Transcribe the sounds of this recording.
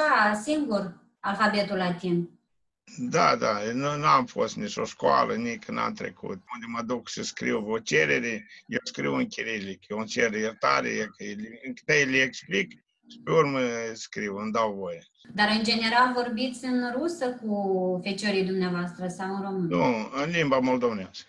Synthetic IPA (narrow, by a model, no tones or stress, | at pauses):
asiŋɡur | alfabe̞t̪ulat̪imp | d̪ad̪anunuamfo̞̰st̪nit͡ʃo̰skoa̰lʔənikɨna̰mt̪ɾḛkṵt̪̚und̪ʲemad̪uksəskɾḭwvot͡ʃeɾeɾejewskɾiwɨŋkʲiɾilikjewunt͡ʃeɾjert̪a̰ɾḛjekəjelɨkt̪ajelʲeeksplik | ʃi̥peurməskɾiwɨnd̪awvoje | d̪aɾɨnd͡ʒe̞ne̞ɾalvo̞rbit̪sʲɨnrusəkufe̞t͡ʃoɾijd̪umneavoast̪ɾəsawɨnro̞mɨnuɨnlimbamold̪ovneaskə